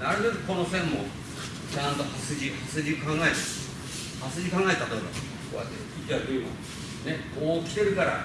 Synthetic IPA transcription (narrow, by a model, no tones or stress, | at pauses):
naɾɯd̪akiko̞nosẽmːo̰ | t͡ɕãnt̪o̞hasɨd͡ʑihasɨd͡ʑikãŋɡaet̪ḁ | hasɨd͡ʑikãŋɡae̞t̪ːat̪oiba̰ | koa̰t̪ekʲitʲaɾd̪oima̰ | nemoːkʲi̥t̪e̞ɾɯ̟kaɾa̰